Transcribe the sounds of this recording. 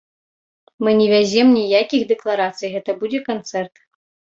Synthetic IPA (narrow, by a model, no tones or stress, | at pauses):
mɨnʲɛvʲazʲɛmnʲijakʲiɣd̪ɨklˠaɾat̪sɨjɣɛt̪ɐbud͡zʲɛkant̪sɛrt̪